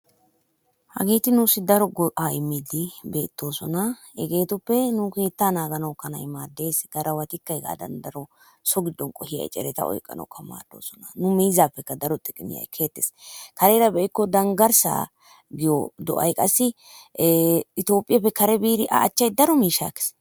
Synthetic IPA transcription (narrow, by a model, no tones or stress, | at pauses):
hɐ̰ɡeːt̪ɪnʊsɪd̪ɐɾɔɡɔʔaːɪmːɪd̪ɪbe̞ːt̪ːo̞ːsɔnɐ | ɛɡe̞ːt̪ʊpːɛnʊke̞ːt̪ːanaːɡɐnɐwkɐnɐ̰jmaːd̪ːe̞ːsɡ̥ɐɾɐwɐt̪ɪkːɐɛɡa̰ːd̪ɐ̰nd̪ɐɾɔ | sɔɡɪd̪ːɔnkʼɔhɪjɐ̰jt͡ʃʼɛ̰ɾɛt̪ɐ̰ɔ̰jkʼːɐ̰nɐ̰wkːɐma̰ːd̪̥ːo̞̰ːsɔnɐnʊmɛjzaːpːɛkːɐd̪ɐɾɔt̪ʼɪkʼːɪnɪ̰jɐ̰jkʰe̞ːt̪ːeskɐɾɛːɾɐbɛʔɪkːɔd̪ɐŋɡɐɾsa̰ː | ɡɪjɔd̪ɔ̰ʔɐ̰jkʼɐsːɪ | ɪt̪o̞ːpʼːɪjɐpːɛkɐɾɛbiːɾɪʔɐ̰ːt͡ʃːɐjd̪ɐɾɔmiːʃːa̰ːkːɛ̥s